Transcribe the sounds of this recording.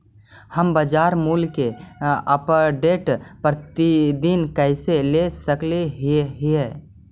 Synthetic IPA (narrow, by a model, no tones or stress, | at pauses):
həmbəd͡ʒaːɾmuːlkeəpəɖeʈpɾət̪id̪inkɛɪselesəkleɦiɦe